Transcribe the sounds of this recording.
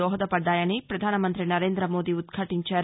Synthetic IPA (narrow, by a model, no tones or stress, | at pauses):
ɔːɦɐd̪ɐpɐɖːaːjɐnipɾɐd̪ʱaːnɐmɐnt̪ɾinɐɾeːnd̪ɾɐmoːd̪iud̪kʰɐʈiɲt͡ʃaːɾ